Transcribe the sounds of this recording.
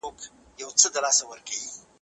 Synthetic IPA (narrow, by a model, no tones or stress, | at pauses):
ok | jawt͡səd̪əlɑsawəɾkawi